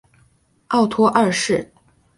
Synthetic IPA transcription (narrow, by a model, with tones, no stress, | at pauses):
ɑ˥˩ʊt̪ʰwɔ˥ʔɐ˥˧ʂɻ̩˥˩